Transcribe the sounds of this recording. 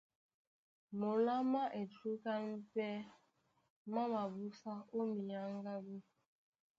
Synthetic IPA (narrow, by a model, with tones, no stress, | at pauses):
mo˨la˦ma˦ʔe˨tɾu˦ka˦n̩˦pɛ˦ | ma˦ma˨bu˦sa˦o˦mi˨ja˦ŋ˦ɡa˦bu˦